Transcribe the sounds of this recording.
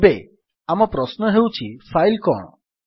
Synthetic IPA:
be | amɔpɾɔsnɔɦewt͡ʃʰifʰajlkɔ̰ɳ̃ɔ

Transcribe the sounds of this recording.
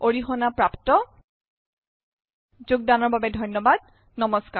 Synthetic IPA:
oɹixɔnapɹaptɔ | zʊɡ̚danɔɹbabɛdʱɔjnɔbad̚ | nɔmɔska

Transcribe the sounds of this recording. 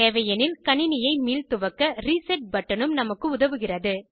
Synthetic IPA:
eːʋɐjɐnɪlkɐɳɪnɪjɐɪmiːlt̪ɯʋɐkːɐɾisɐʈ̚bɐʈːɐɳɯmnɐmɐkːɯʊðɐʋɯɣɪrɐðɯ

